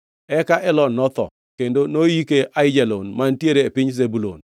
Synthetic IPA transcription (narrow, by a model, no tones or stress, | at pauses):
ɛkaʔɛlɔnɔt̪ɔ̰ | kendonojikeʔaɪd͡ʒalonmantjeɾeːpɪɲzebulo̰n